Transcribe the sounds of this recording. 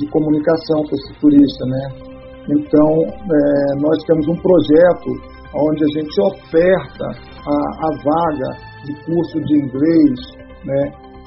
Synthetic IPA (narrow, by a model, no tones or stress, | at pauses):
d͡ʒɪkomunikasɐ̃w̃kõesɪt̪uɾiʃt̪ɐnɛ | ẽnt̪ɐ̃w̃ɛnɔst̪ẽmʊzũpɾoʒɛt̪ʊ | aõd͡ʒɪaʒẽnt͡ʃɪofɛɾt̪ɐ̰ | aːvaɡɐ̰ | d͡ʒɪkuɾsʊd͡ʒɪĩŋɡlejs | nɛ